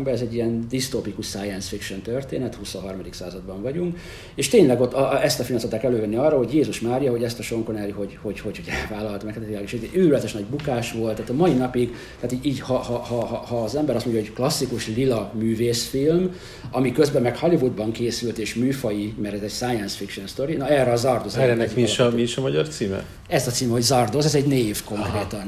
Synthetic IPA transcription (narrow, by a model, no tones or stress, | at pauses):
bɛɛzɛɟːijɛnd̪ist̪oːpikuʃsaːjɛnsfikʃont̪ørt̪eːnɛt̪husoɦɒrmɒd̪iksaːzɒd̪bɒɱvɒɟuŋk | eːʃt̪eːɲlɛɡo̞t̪ːɛst̪ɒfilst̪ot̪ːaːkɛløːvɛnːiɒrːɒho̞ɟjeːzuʃmaːɾijɒɦo̞ɟɛst̪ɒʃo̞ŋkonɛɾiho̞ɟho̞ɟhochoɟɛvaːlɒlt̪mɛkht̪ːilaɡiʃyɾylɛt̪ɛʃnɒɟbukaːʃʋo̞lt̪ːaːt̪ɒmɒinɒpiɡ | t̪aːt̪iiːɟhɒhɒhɒhɒːzɛmbɛɾɒst̪moɲɟjɦoɟklɒsːikuʃlilɒmyːveːsfilm | ɒmikø̞zbɛmːɛkhɒlivud̪bɒŋkeːsylt̪eːʃmyːfɒjimɛɾɛzɛɟsaːjɛnsfikʃonst̪o̞ɾinɒɛrːɛɒzɒrd̪ozɛnɛmiiʃɒmiiʃɒmɒɟɒ̰rt̪siːmɛ̰ | ɛzɒt̪siːmɛɦo̞ɟzɒrd̪ozɛzɛɟneːvko̞ŋkɾeːt̪ɒn